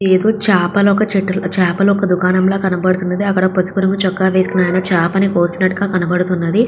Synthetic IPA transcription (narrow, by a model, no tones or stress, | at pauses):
eːd̪oːt͡ʃaːpɐlɔkɐt͡ʃiʈːt͡ʃaːpɐluɔkɐd̪ukaːnɐmloːkɐnɐbɐɽut̪unːɐd̪iɐkːɐɽɐpɐsi̥kuɾɐŋkut͡ʃɔkːaːʋeːskunaːjɐnɐt͡ʃaːpɐnikoːst̪unːɐʈːuɡaːkɐnɐbɐɽut̪unːɐd̪i